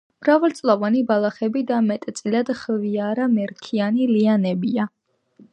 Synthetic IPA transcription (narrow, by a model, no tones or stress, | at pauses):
mɾavalt̪sʼlˠɔvanibalˠaχɛbid̪amɛt̪ʼt̪sʼilad̪χviaɾamɛɾkʰianilianɛbia